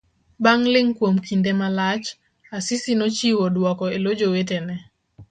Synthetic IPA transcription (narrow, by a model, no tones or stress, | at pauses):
baŋlɪŋkwomkindemalat͡ʃ | asɪsinot͡ʃiwɔdwɔkɔelod͡ʒowetenɛ